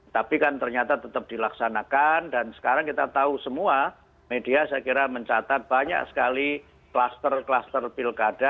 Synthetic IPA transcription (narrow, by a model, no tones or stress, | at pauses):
t̪apikant̪ərɲat̪at̪ət̪əp̚d̥ilaksanakandansə̥kaɾaŋkit̪at̪ausəmua | mediasajakiɾaməɲt͡ʃat̪at̪̚b̥aɲa̰ksə̥kali | klast̪ərklast̪ərpilkad̥a